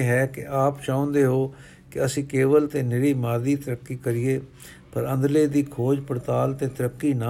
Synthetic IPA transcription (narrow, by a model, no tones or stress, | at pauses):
ɦɛːkɪʔaːpʃãːʊ̃nd̪eːɦoː | kɪəsĩːkeːʋəlt̪eːnɪɽiːmaːd̪iːt̪əɾəkːiːkəɾɪeː | pəɾə̃nd̪leːd̪iːkʰoːd͡ʒpəɾt̪aːlt̪eːt̪əɾəkːiːna